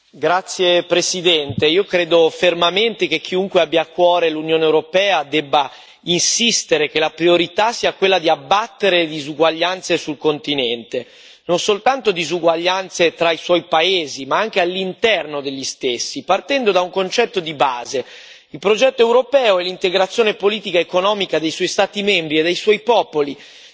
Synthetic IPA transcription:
ɡɾat̪sːjepɾesid̪ɛnt̪eiːokɾeːd̪ofermament̪ek̟ekʰːiuŋkweabːjaːkːwɔːɾelunjoːneewɾopɛːad̪ɛbːa | insist̪eɾek̟elapɾioɾit̪asiːakwelːad̪iabːat̪ːeɾed̪izuɡwaʎːant̪sesulkont̪inɛnt̪e | nonsolt̪ant̪od̪izuɡwaʎːant̪set̪ɾaiswɔjpaeːzimaaŋk̟ealːint̪ɛrnod̪eʎːist̪esːipart̪ɛnd̪od̪auŋkont͡ʃɛt̪ːod̪ibaːze | ilpɾod͡ʒɛt̪ːoewɾopɛːoɛlːint̪eɡɾat̪sːjoːnepoliːt̪ikaekonɔːmikad̪ejswɔjst̪aːt̪imɛmbɾied̪ːejswɔjpɔːpoli

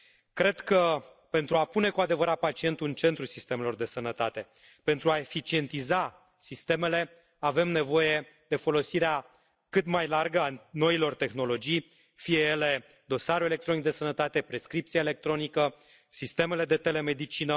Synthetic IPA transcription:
kɾe̞d̪kə | pe̞nt̪ɾuapune̞kuad̪e̞vəɾat̪̚pat͡ʃie̞nt̪uɨnt͡ʃe̞nt̪ɾusist̪e̞me̞lo̞rd̪e̞sənət̪at̪e̞ | pe̞nt̪ɾuae̞fit͡ʃie̞nt̪iza | sist̪e̞me̞le | ave̞mne̞vo̞je̞ | d̪e̞fo̞lo̞siɾea | kɨt̪majlarɡəano̞ilo̞rt̪e̞xno̞lo̞d͡ʒij | fije̞jele̞ | d̪o̞saɾue̞lekt̪ɾo̞nik̚d̪e̞sənət̪at̪e̞pɾe̞skɾip̚t̪sieele̞k̚t̪ɾo̞nikə | sist̪e̞me̞le̞d̪e̞t̪e̞le̞me̞d̪it͡ʃinə

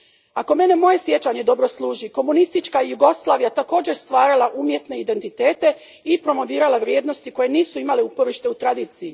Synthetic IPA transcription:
ako̞me̞ne̞mo̞je̞sje̞t͡ʃaɲe̞d̪o̞bɾo̞slˠuːʒiko̞munist̪it͡ʃkaijuɡo̞slˠaːʋijat̪ako̞ːd͡ʑe̞ɾst̪ʋaːɾalaʔumje̞t̪ne̞id̪e̞nt̪it̪e̞ːt̪e̞ | ipɾo̞mo̞ʋiːɾalaʋɾje̞ːd̪no̞st̪iko̞je̞niːsuimaleupo̞ʋiʃt̪e̞ut̪ɾad̪iːt̪siji

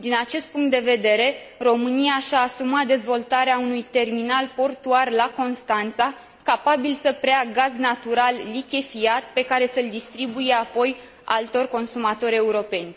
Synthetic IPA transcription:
d̪inat͡ʃe̞st̪̚puŋkt̪̚d̪e̞ve̞d̪e̞ɾe̞ | ro̞mɨnijaʃaːsumat̪̚d̪e̞zvo̞lt̪aɾeaunujt̪e̞rminalpo̞rt̪uarlako̞nst̪ant̪sa | kapabilsəpɾeaɡaznat̪uɾalːikʲefiat̪̚pe̞kaɾe̞səld̪ist̪ɾibuje̞apo̞j | a̰lt̪o̞rʲko̞nsumat̪o̞ɾʲe̞uɾo̞pe̞nʲ

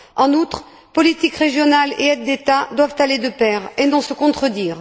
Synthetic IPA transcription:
ɑ̃nut̪χ | pɔlit̪ikʁeʒjɔnaleɛt̪̚d̪et̪ad̪wavt̪aled̪əpɛʁenɔ̃səkɔ̃t̪χəd̪iːʁ

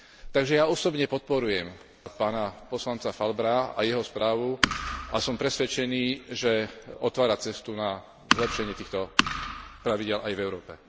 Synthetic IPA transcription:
t̪aɡʒɛjaɔsɔbɲɛpɔt̪̚pɔɾujɛm | paːnapɔslant͡safalbɾaa̰jɛɦɔspɾʔaːʋuʔasɔmpɾɛsʋɛt͡ʃɛniːʒɛɔt̪ʋaːɾat͡sɛst̪una | zlɛpʃɛɲɪɛt̪iːxt̪ɔ | pɾaʋiɟɪɛlajvɛʊɾɔːpɛ

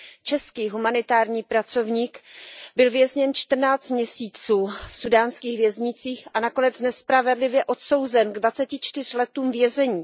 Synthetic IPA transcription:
t͡ʃɛskiːɦumanɪt̪aːɾɲiːpɾat͡so̞vɲiːkbɪlvjɛzɲɛnt͡ʃt̪r̩naːt͡st̪mɲɛsiːt͡suːfsudaːnskiːɣvjɛzɲɪt͡siːxʔanakonɛt͡snɛspɾavɛdlɪvjɛʔo̞t̪so̞wzɛnɡdvat͡sɛcɪt͡ʃt̪ɪr̝̥lɛt̪uːmvjɛzɛɲiː

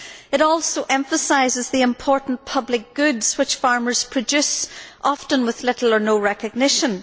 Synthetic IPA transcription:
ɨɾɔlˠsoʔɛ̃ɱfəsaɪzɨzðiɪ̃mpʰɔɹʔn̩pʰʌblɪk̚ɡ̥ʉdz̥wɨt͡ʃfaɹmə˞z̥pʰɹ̥ɨd͡ʒʉsʔɑftə̃nwɪð̥lɪɾl̩ˠə˞noɹɛkɨɡ̚nɪʃə̃n

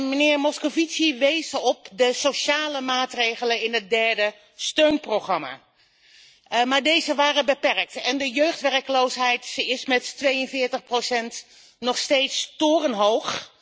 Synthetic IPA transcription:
mənɪːɹmɔskovitsiʋejzəɔp̚dəsoʃaːləmaːtrejχələnɪnət̚dɛɹdə | støɥnproχɑma̰ː | maːɹdejzəʋaːrəbəpɛrk̚tɛndəjøɥχtʋɛrkəlowsɦɛjtsɪsmɛtːʋejənvɪːɹtəχprowsɛnt | nɔχstejtstʊːrənɦowχ

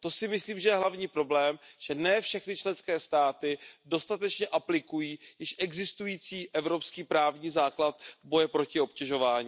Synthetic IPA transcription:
t̪o̞sɪmɪsliːmʒɛjɛɦlavɲiːpɾo̞blɛːmʒ̥ɛnɛːfʃɛxnɪt͡ʃlɛnskɛːst̪aːt̪ɪdo̞st̪at̪ɛt͡ʃɲɛʔaplɪkujiːjɪʃʔɛɡzɪst̪ujiːt͡siːʔɛvɾo̞pskiːpɾaːvɲiːzaːklat̪̚vbo̞jɛpɾo̞cɪo̞pcɛʒo̞vaːɲiː

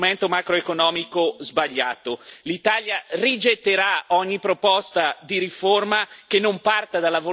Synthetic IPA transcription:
mɛnt̪omakɾoekonɔːmikozbaʎːa̰ːt̪olit̪aljarid͡ʒet̪ːeɾaɔɲːipɾopɔst̪ad̪iɾiformakenːompart̪ad̪alːavo

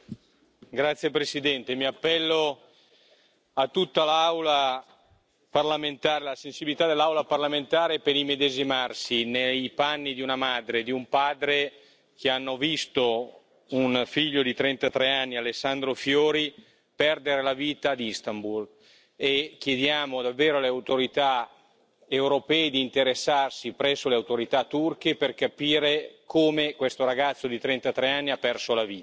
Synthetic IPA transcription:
ɡɾat̪sːjepɾesid̪ɛnt̪emiapːɛlːo | at̪ːut̪ːalawla | parlament̪aːɾelasensibilit̪ad̪elːawlaparlament̪aːɾepeɾimed̪ezimarsinejpanːid̪iunamad̪ɾed̪iumpaːd̪ɾe | k̟eanːovist̪o | unfiʎːod̪it̪ɾɛnt̪at̪ɾeanːialesːand̪ɾofjoːɾi | pɛrd̪eɾelaviːt̪aːd̪ist̪ambul | ekːjed̪jaːmod̪avːeːɾoaleawt̪oɾit̪a | ewɾopɛːid̪iːnt̪eɾesːarsipɾɛsːoleawt̪oɾit̪at̪ːurkeperkapiːɾekʰoːmekwest̪oɾaɡat̪sːod̪it̪ɾɛnt̪at̪ɾeanːiapːɛrsolaviːt̪a

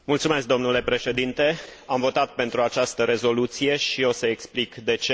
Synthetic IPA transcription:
mult̪sume̞s̬k̚d̪o̞mnule̞pɾe̞ʃe̞d̪int̪e̞amvo̞t̪at̪̚pe̞nt̪ɾuat͡ʃast̪əɾe̞zo̞lut̪sije̞ʃio̞səeksplikd̪e̞t͡ʃe

